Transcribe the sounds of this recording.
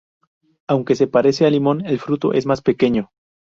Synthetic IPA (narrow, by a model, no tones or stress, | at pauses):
awŋke̞se̞paɾe̞sealimo̞ne̞lfɾut̪o̞̰ʔe̞zmaspe̞ke̞ɲo̞